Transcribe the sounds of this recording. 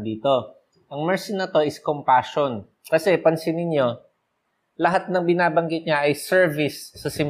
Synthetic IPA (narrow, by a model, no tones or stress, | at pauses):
d̪iːt̪o̞ | ʔɐŋmɛɹsɪnːɐt̪o̞ʔɪskompaːʃon | kɐsɛpɐnsɪnɪɲjo̞ | lɐɦat̪̚nɐŋbɪnaːbɐŋɡɪt̪̚ɲaʔɐjsɛɹvɪsːɐsɪm